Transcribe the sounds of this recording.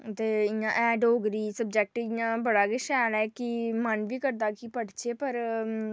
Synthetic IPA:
t̪eːɪjãːʔɛːɖoːɡɾiːsəb̚d͡ʒɛk̚ʈɪjãːbəɽaːɡɪʃɛːlɛːkɪmənʋiːkəɾd̪aːkipəɽt͡ʃeːpəɾ

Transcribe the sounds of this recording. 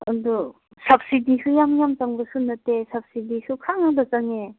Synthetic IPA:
ɐdu | sɐp̚sidisujamjamt͡ʃaŋbɐsunːɐtesɐb̚sidisukʰaŋaŋbɐt͡ʃaŋe

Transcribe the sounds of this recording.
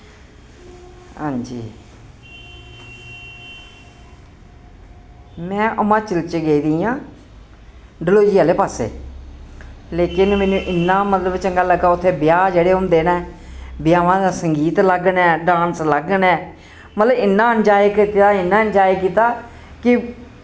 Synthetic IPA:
hãːɲd͡ʒḭː | mɛ̃ːʔəmãːt͡ʃəlt͡ʃeɡeːid̪iːjãː | ɖɪloːd͡ʒiːaːleːpaːsḛː | leːkɪnmɛ̃ːnũːʔɪnːãːmət̪ləbt͡ʃəŋɡaːləɡːaːʊt̪ʰːeːbɪjaːd͡ʒeːɽeːɦʊmd̪eːnaɛː | bɪjaːʋãːd̪aːsəŋɡiːt̪ləɡənɛːɖãːnsləɡənɛː | mət̪ləbɪnːãːənd͡ʒaːikɪt̪aːɪnːãːənd͡ʒaːikiːt̪aː | kɪ

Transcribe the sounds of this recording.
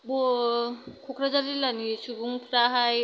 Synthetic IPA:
bɔ | kʰokʰɾazalilanisʰuɡuŋpʰɾaɦaj

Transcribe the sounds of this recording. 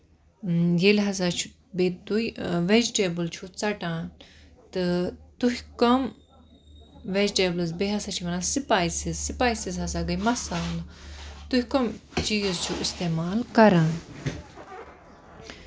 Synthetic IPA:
jelɦɐs̬aːt͡ʃʰu̥ | bet̪uiʋed͡ʒʈeːbɨlt͡ʃʰut͡sɐʈãːn | t̪ɨt̪uɦkɐm | ʋed͡ʒʈeːblzbeɦɐsaːt͡ʃʰiʋɐnaːsipaːisizsipaːjsizɦɐsaːɡɐjmɐsaːũnd̪ɐt̪uhikɐmt͡ʃiːd͡ʒzt͡ʃʰuʔist̪eːmaːlkɐɾãːn

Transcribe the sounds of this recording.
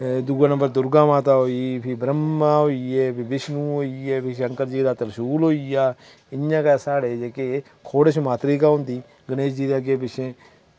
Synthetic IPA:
d̪uːɡaːnəmbəɾd̪ʊɾɡãːmãːt̪aːɦoːiːpʰɪbɾəmːãːɦoːieːpʰiʋɪʃnũːɦoːieːpɪʃəŋkəɾd͡ʒiːd̪aːt̪əɾəʃuːlɦoːiːjaː | ɪãːkaːsaːɽeːd͡ʒeːke | kʰoːɽəʃmaːt̪ɾiːkaːɦõʊ̃nd̪iː | ɡəneːd͡ʒd͡ʒiːd̪eːəɡeːbɪʃẽː

